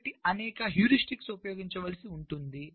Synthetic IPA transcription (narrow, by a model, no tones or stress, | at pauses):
ʈiɐnɛːkɐɦjuːɾisʈiksupɐjoːɡiɲt͡ʃɐʋɐlɐsiuɳʈund̪i